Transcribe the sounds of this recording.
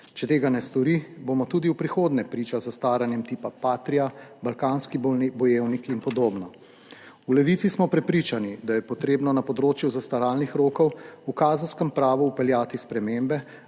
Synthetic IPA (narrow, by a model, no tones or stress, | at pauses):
t͡ʃɛt̪eːɡanɛst̪ɔɾibomɔt̪uːd̪iwpɾixoːd̪nɛpɾiːt͡ʃazast̪aːɾanjɛmt̪iːpapaːt̪ɾiabalkaːnskibnibɔjewnikinpɔd̪oːbnɔ | ulɛʋit̪sismɔpɾɛpɾiːt͡ʃanid̪ajɛpɔt̪ɾeːbnɔnapɔd̪ɾoːt͡ʃjuzast̪aɾaːlnixɾoːkɔwukaːzənskəmpɾaːʋuːpɛljaːt̪ispɾɛmembɛ